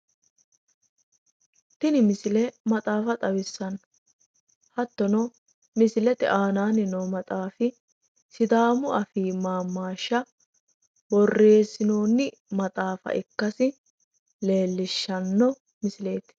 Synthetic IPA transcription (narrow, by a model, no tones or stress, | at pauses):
t̪ɪnɪmɪsɪlɛmɐt̪ʼaːfɐt̪ʼɐwɪsːɐn | hɐt̪ːɔnɔ | mɪsɪlɛt̪ɛ̰ʔaːnaːnɪnɔːmɐt̪ʼaːfɪ | sɪd̪aːmʊɐfiːmaːmːaːʃːɐ | bɔrːe̞ːsɪnoːnːɪ | mɐt̪ʼaːfɐ̰ʔɪkːɐsɪ | le̞ːlːɪʃːɐnːɔ | mɪsɪle̞ːt̪